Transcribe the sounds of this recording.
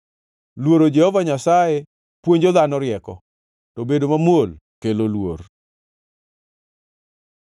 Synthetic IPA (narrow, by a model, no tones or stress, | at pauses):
lwoɾod͡ʒɛhɔvaɲasaje | pwoɲd͡ʒɔd̪anɔɾjɛkɔ̰ | tobedomamolkelolwo̰r